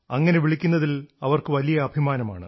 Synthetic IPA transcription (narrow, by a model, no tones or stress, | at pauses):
ɐŋːɐne̞ʋiɭikʲːunːɐðilɐʋɐrkɨʋɐlijɐːbʱimaːnɐma̰ːɳɨ̰